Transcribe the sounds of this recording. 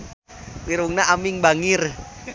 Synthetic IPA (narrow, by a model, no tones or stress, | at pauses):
miɾuŋnaʔamiŋbaŋir